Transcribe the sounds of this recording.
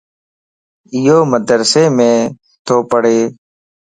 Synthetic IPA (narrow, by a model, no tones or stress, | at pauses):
ɪjoːməd̪ɾseːmẽː | t̪ʰoːpəɽeː